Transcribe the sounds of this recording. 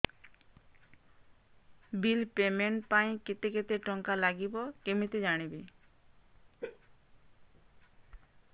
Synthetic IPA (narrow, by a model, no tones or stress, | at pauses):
bilpemeɳʈpaj̃kit̪eket̪eʈɔŋkalaɡibɔkemit̪ed͡ʑaɽ̃ibi